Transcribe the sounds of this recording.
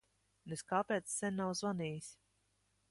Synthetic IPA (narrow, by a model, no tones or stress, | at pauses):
neskaːpɛːt̪sːɛnʲːawzvaniːjisʲ